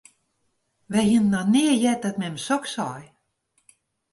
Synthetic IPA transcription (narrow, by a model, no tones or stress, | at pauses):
ʋɛhinnɔnɪːəjɛt̚dɔtmɛməsɔksɔj